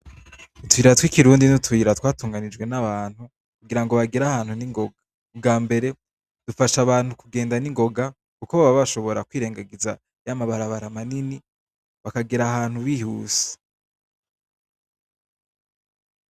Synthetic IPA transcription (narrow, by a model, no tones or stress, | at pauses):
utuiːɾatwikiɾuːndinutwuiɾatwaːtuːŋɡanid͡ʒɡwe̞naβaːn̥hu | kuɡiɾaŋɡo̞βaɡiɾahaːnhuniŋɡo̞ɡa | kubɡaːmbe̞ɾe̞ | d̥ufaʃaβaːn̥hukuɡe̞ːndaniŋɡo̞ɡa | kukoβaβaβaʃo̞βo̞ɾakwiːɾeːŋɡaɡiza | jamaβaɾaβaɾamanini | βakaɡiɾaɦaːn̥huβiːhuːse̥